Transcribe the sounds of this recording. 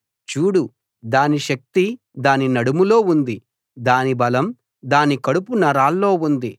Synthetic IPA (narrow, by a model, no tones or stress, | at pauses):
t͡ʃuːɽu | d̪aːniʃɐk̚t̪i | d̪aːninɐɽumulo̞ːund̪i | d̪aːnibɐlɐm | d̪aːnikɐɽupunɐɾaːlːo̞ːund̪i